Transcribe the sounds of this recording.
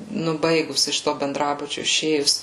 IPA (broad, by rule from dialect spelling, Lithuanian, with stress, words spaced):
ˈnʊ ˈbɐɪɡʊs ɪʃ ˈtoː bʲɛnˈdrɑːbʊt͡ʃʲʊ ɪˈʃʲeːjʊs